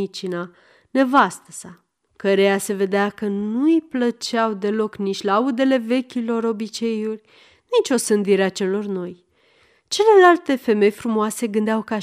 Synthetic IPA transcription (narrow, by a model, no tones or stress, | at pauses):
it͡ʃina | ne̞vast̪əsa | kəɾe̞jase̞ve̞d̪eakənujplət͡ʃawd̪e̞lo̞knit͡ʃʲlaud̪e̞le̞ve̞kʲilo̞ɾo̞bit͡ʃe̞julʲ | nit͡ʃʲo̞sɨnd̪iɾeat͡ʃe̞lo̞rno̞j | t͡ʃe̞le̞lalt̪e̞fe̞me̞jfɾumoase̞ɡɨnd̪eawka